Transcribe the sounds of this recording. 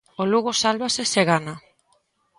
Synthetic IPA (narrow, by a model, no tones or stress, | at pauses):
oluɣosalβaseseɣana